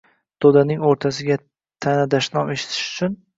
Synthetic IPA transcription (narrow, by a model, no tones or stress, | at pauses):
d̪̥od̪anɪŋoɾt̪ʰas̬ɪɡʲa | t̪ʰanad̪aʃnɒmeʃɪ̥t̪ʰɪ̥ʃʊ̥t͡ʃʰʊn